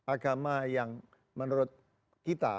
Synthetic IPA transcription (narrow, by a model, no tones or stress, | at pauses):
ʔaɡamajaŋ | mənuɾʊt̪̚ | kit̪a̰